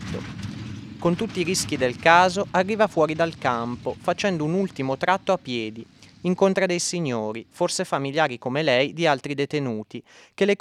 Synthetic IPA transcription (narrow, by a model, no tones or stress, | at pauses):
o̰ | kont̪ut̪ːiːɾisk̟id̪elkaːzoʔarːiːvafwɔːɾid̪alkampofat͡ʃɛnd̪ounult̪imot̪ɾat̪ːoapːjɛːd̪iiŋkont̪ɾad̪ejsiɲːoːɾiforsefamiljaːɾikomelɛjd̪ialt̪ɾid̪et̪enuːt̪i | k̟ele